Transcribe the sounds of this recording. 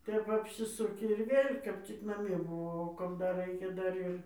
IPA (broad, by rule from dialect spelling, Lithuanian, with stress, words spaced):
ˈtʲɛp ɐpʲsʲɪˈsʊkʲɪ ɪr ˈʋʲeːlʲ kɐp ˈt͡sʲɪk nɐˈmʲiɛ bʊˈʋɐʊ oː kɐp ˈdɐr ˈrɐɪkʲɛ ˈdɐr ɪr